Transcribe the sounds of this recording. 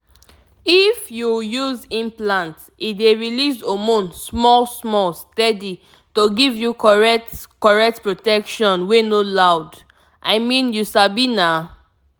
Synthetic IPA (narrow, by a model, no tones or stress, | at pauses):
ifjujuzĩmplãnt | ideɹilisomõnsmɔlsmɔlstɛdi | toɡivjukɔɹɛtkɔɹɛk̚tpɹotɛkʃɔ̃nwenolaʊd | ʔaɪmĩnjuʃabina